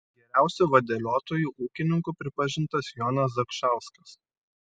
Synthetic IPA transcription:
ɡʲɛɾʲæˑʊsʲuʋɐd̪ʲɛlʲoːt̪oːjuːʔuːkʲɪnʲɪŋkuːˑpʲɾʲɪpɐʒʲɪnt̪ɐsjɔnɐs̬d̪ɐkʃɑˑʊskɐs

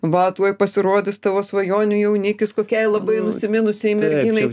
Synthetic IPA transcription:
ʋɐt̪uɔjpɐsʲɪɾoːd̪ʲɪst̪ɑʋoːsʋɐjoːnʲʊjɛʊnʲɪkʲɪskoːkʲɛɪlˠɐbɐɪnʊsʲɪmʲɪnʊsʲɛɪmʲɛrʲɡiːnɐɪ

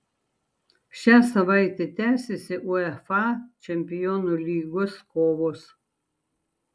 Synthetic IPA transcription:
ʃʲæːsɐʋɐɪt̪ʲɛt̪ʲæːsʲesʲɪʔuɛfɑt͡ʃʲɛmʲpʲɪjoːnulʲiːɡoskoːʋoːs

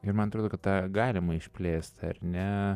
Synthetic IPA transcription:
ɪɾmɐnɐt̪ɾoːd̪oːkɐt̪t̪ɑːɡɑːlʲɪmɐɪʃʲpʲlʲeːst̪ɐ̰rnʲɛ

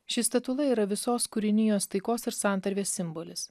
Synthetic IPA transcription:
ʃʲɪst̪ɐt̪ʊlˠɐiːɾɐʋʲɪsoːskʊɾʲɪnʲɪjoːst̪ɐɪkoːsɪɾsɑˑnt̪ɐɾʲʋʲeːsːʲɪmboːlʲɪs

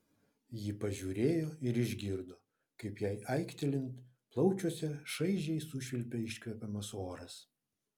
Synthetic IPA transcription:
jɪpɐʒʲuːɾʲeːjoːɪɾɪʒʲɡʲɪɾd̪oː | kɐɪpjæɪʔɐɪkt̪ʲɛlʲɪnt̪ | plˠɒʊt͡ʃʲuɔsʲɛʃɐɪʒʲɛɪsʊʃʲɪlʲpʲɛɪʃʲkʲʋʲɛpʲɛmɐsoːɾɐs

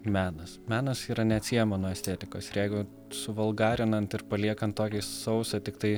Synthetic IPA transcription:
mʲæːnɐsmʲæːnɐsiːɾɐnʲɛɐt̪sʲijɛmonuɔɛsʲt̪ʲeːt̪ʲɪko̰ːsɪɾjɛɪɡʊ | sʊʋɐlˠɡɑːɾʲɪnɐnt̪ɪɾpɐlʲiɛkɐnt̪toːkʲisɐʊsɐt̪ʲɪkt̪ɐɪ

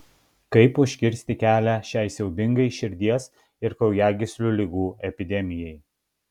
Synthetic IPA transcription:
kɐɪpʊʃʲkʲɪɾʲsʲt̪ʲɪkʲæːlʲæʃʲɛɪsʲɛʊbʲɪŋɡɐɪʃʲɪɾʲd̪ʲiɛs | ɪɾkɒʊjæːɡʲɪsʲlʲulʲɪɡuːɛpʲɪd̪ʲɛmʲɪjɛɪ

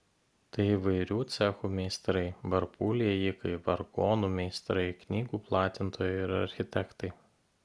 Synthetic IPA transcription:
t̪ɐɪiʋɐɪɾʲuːt̪sʲɛxuːmʲɛɪst̪ɾɐɪbɐɾpulʲiɛjikɐɪbɐɾɡɔːnuːmʲɛɪst̪ɾɐɪknʲiːɡuːplˠɑːt̪ʲɪnt̪oːjɛɪɾɐ̰ɾʲxʲɪt̪ʲɛkt̪ɐɪ

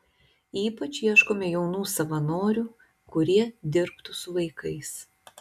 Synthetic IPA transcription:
iːpɐt͡ʃʲjiɛʃkoːmʲɛjɛʊnuːsɐʋɐnoːɾʲuː | kʊɾʲiɛd̪ʲɪɾpt̪ʊsʊʋɐɪkɐɪs

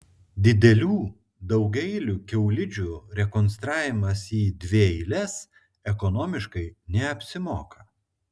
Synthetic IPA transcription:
d̪ʲɪd̪ʲɛlʲuː | d̪ɒʊɡʲɛɪlʲuːkʲɛʊlʲɪd͡ʒʲuɾʲɛkɔnst̪ɾɑːʋʲɪmɐsiːd̪ʲʋʲeːɪlʲɛs | ɛkɔnoːmʲɪʃkɐɪnʲɛɐpʲsʲɪmoːkɐ

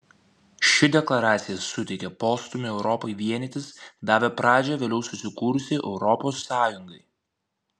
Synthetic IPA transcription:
ʃʲɪd̪ʲɛklˠɐɾɑːt̪sʲɪjɛsʊt̪ʲɛɪkʲɛpoːst̪ʊmʲɪɛʊɾɔpoɪʋʲiɛnʲɛt̪ʲɪsd̪ɑːʋʲɛpɾɑːd͡ʒʲɛʋʲeːlʲɛʊsʊsʲɪkuːɾʊsʲɪʔɛʊɾɔpoːsːɑːjʊŋɡɐɪ

